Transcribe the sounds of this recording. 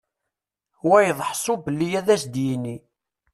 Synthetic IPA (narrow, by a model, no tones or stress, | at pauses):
wæjðˤħsˤʊbəlːijæðæsd̪jinːi